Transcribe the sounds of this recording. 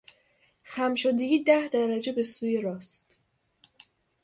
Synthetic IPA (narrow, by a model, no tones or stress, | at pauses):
xæmʃod̪eɡʲiːd̪æhd̪æɾæd͡ʒe̞be̞suːje̞ɾɒːst̪